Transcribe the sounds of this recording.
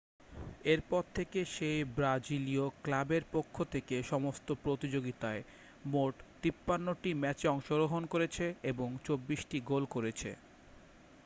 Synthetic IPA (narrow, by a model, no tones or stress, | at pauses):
eɾpɔɾt̪ʰekeʃejbɾad͡ʑilioklabeɾpokʰːot̪ʰekeʃɔmost̪opɾot̪id͡ʑoɡit̪ae | moʈt̪ipːanːoʈimɛt͡ɕeɔŋʃoɾoɦonkoɾet͡ɕʰeeboŋt͡ɕobːiʃʈiɡolkoɾet͡ɕʰḛ